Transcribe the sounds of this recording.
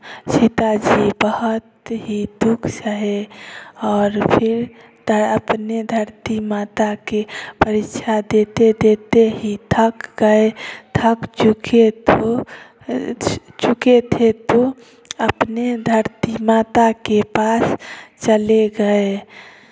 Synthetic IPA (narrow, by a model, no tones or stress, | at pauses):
t͡ʃʰit̪ad͡ʒibəɦət̪ɦid̪ukʰsəɦe | ɔːɾpʰiɾ | d̪əəpned̪ʱəɾt̪imat̪akepəɾit͡ʃʰad̪et̪ed̪et̪eɦit̪ʰəkɡəet̪ʰəkt͡ʃukʰet̪o | t͡ʃuket̪ʰet̪o | əpned̪ʱəɾt̪imat̪akepast͡ʃəleɡəe